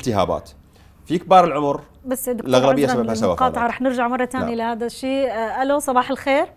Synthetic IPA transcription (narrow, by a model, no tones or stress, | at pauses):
lt̪ɪɦa̰ːba̰ːt̪ | fik̚bɑːɾˤɪlʕʊmɾ | basːd̪ʊklʔaɣlabɪjːasbahasawaːqɑːt̪ˤʕɑɾˤɑːħnɪɾd͡ʒaʕmɑrˤːɑt̪aːnilɪhaːd̪aʃːiːʔalosˤɑbɑːħɪlxeːɾ